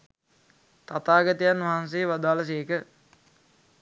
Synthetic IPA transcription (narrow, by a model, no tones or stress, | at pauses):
t̪at̪aːɡət̪ijanʋaɦans̬eːʋad̪aːləs̬eːkə